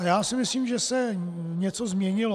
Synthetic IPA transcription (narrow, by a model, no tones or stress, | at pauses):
jaːsɪmɪsliːmʒɛsɛ | ɲɛt͡sozmɲɛɲɪlo